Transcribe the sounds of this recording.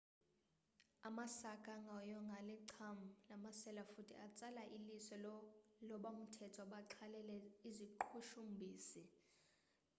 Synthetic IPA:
amasakʼaŋɡʱɔjɔŋɡʱaliǀʰamulamasɛlafutʰḭat͡sʼalaʔilisɛlɔɓam̩tʰɛtʰɔɓaǁʰalɛlɛiziǃʰuʃumbʱiːsi

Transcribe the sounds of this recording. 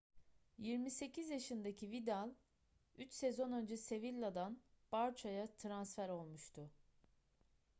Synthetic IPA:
jiɾmise̞cʰizjaʃɯnd̪acʰivid̪alˠ | yt͡ʃsezo̞nø̞nd͡ʒɛse̞vilʲːad̪anbaɾt͡ʃʰajat̪ʰɾansfæɾo̞lˠmuʃt̪ʰʊ

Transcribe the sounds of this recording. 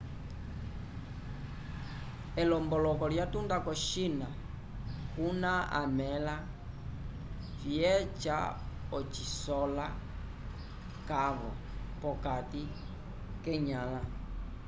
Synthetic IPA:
ɛlɔmbɔlɔkɔljatundakɔʃina | kunaa̰mɛla | fjɛt͡ʃa̰ɔt͡ʃisɔla | kaβɔ̰ | pɔkati | kɛɲala

